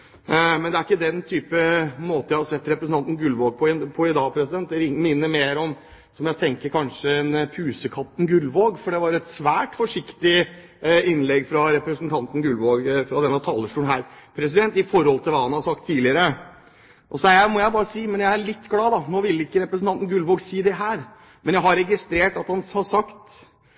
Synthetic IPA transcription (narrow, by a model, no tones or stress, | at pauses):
mɛnd̪ɛæɾɪkːəd̪ɛnt̪ʰyːpəmoːt̪əjæɪhɑsɛt̪ːɾɛpɾəsn̩ɑnt̪n̩ɡʉlʋoːɡ̚pʰɔɪpʰɔɪd̪ɑːpʰɾɛsɪd̪ɛnt̪̚ɛɾɪŋmɪnːəmeːɾɔm | sɔmjæɪt̪ʰɛŋkəɾkʰɑnʂəɛnpʰʉːsəkʰɑt̪ːn̩ɡʉlʋoːɡfɔɖɛʋɑɾɛt̪sʋæːʈfɔʂɪkt̪ɪ | ɪnlɛɡːfɾɑɾɛpɾəsnt̪ʰɑnt̪n̩ɡʉlʋoːɡfɾɑd̪ɛnːɑt̪ʰɑːlːəʂʈuːnɦæːɾpʰɾɛs̬ɪd̪ɛnt̪ɪfɔɾhɔlt̪ʰɪlʋɑːhɑnhɑsɑk̚t̪ʰːiːlɪəɾə | ʔɔsɔæɾjæmɔjæɪbɑːɾəsiːmɛnjæɪæɭɪt̪ːɡlɑːd̪ɑnoːʋɪlːɪkːəɾɛpɾəsənt̪ɑnt̪n̩ɡʉlʋoːɡsiːd̪ɛɦæːɾ | mɛnjæɪɦɑɾɛɡɪst̪ɾeːʈɑt̪hɑnhɑsɑkt̪